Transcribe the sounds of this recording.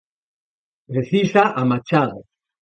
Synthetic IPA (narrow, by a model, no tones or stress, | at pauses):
reθisaʔamat͡ʃaðo̰